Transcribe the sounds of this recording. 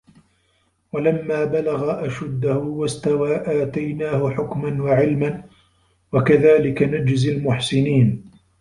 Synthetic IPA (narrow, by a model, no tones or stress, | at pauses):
walamːaːbalaɣaʔaʃad̪ːahʊwast̪awaːʔaːt̪ajnaːhʊħʊkmanwaʕɪlman | wakaðaːlɪkanad͡ʒzalmʊħsɪniːn